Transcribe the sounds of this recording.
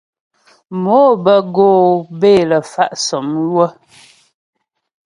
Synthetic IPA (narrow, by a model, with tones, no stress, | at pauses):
moː˨˦bə˨ɡoː˦˨beː˦˨lə˨fa˦ʔsɔ˨mjwə˦